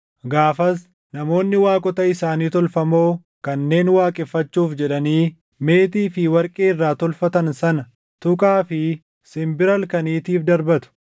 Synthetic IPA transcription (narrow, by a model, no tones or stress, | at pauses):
ɡaːfɐs | nɐmo̞ːnːɪwaːkʼɔt̪ɐɪsaːniːt̪ɔlfɐmo̞ː | kɐnːe̞ːnwaːkʼɪfːɐt͡ʃːuːfd͡ʒɛᶑɐniː | me̞ːt̪̬iːfɪwɐɾkʼeːɪrːaːt̪ɔlfɐt̪ɐnsɐnɐ | t̪ʊkʼaːfɪ | sɪmbɪɾɐlkɐniːt̪iːfd̪ɐɾbɐt̪ʊ̥